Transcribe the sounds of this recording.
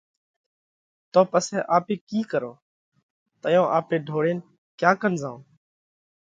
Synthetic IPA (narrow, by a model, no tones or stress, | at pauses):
t̪oːpəsɛːʔaːpeːkiːkəɾo̰ː | t̪əjõːʔaːpeːɖʱoːɽeːn | kjaːkənzãːõː